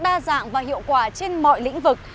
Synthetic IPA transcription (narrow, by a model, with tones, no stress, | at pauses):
ɗaː˧za̰ː˧˨ŋvaː˨˩hḭ˧˨əwkwaː˧˩t͡ɕe˧nmɔ̰˧˨jlḭ̈˧˥ŋ̟vɨ˨˩k̚